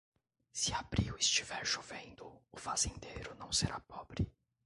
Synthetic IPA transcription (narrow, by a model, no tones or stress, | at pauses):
siabɾiwist͡ʃivɛɾʃovẽnd̪ʊːfazẽnd̪eɾʊnɐ̃w̃seɾʔa̰pɔbɾi